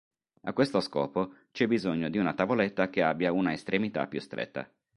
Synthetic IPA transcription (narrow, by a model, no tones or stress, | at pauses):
a̰kːwest̪oskɔ̰ːpot͡ʃɛbizoɲːod̪iunat̪avolɛt̪ːak̟eabːjaunaest̪ɾemit̪a̰pːjust̪ɾḛt̪ːa̰